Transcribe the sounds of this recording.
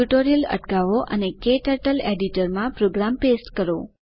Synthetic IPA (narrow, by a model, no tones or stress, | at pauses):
uʈoɾiələ̰ʈkaʋoʔə̰nekeʈəʈəleɖiʈəɾmãpɾoɡɾampesʈkəɾo